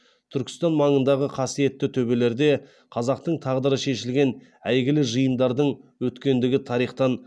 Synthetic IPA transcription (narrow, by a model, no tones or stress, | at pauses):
t̪ʰʏɾkʲɪ̥st̪ɑnmɑɴənd̪ɑʁəqʰɑsije̞t̪ːɪt̪ʰɵbe̞le̞ɾd̪e̞ | qʰɑzɑq̚t̪əɴt̪ʰɑʁd̪əɾəʃe̞ʃɪlɡʲe̞n | æjɡʲɪlɪʒəjənd̪ɑɾd̪əɴwɵt̪kʲe̞nd̪ɪɡʲɪt̪ʰɑɾijχt̪ɑn